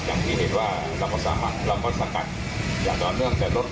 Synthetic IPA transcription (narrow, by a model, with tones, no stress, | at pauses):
ja̰ː˨˩ŋt̪ʰiː˥˩ɦe˨˦nwaː˥˩ | la˧˩kʰa˧˩sa̰ː˨˦ma˧˩la˧˩mkaː˧˥˩sa˧ka̰˨˩t̪̚ | jaː˨˩ŋ̚t̪ɔː˨˩nɯ˥˩əŋt̪ɛː˨˩lo˦˥t̪̚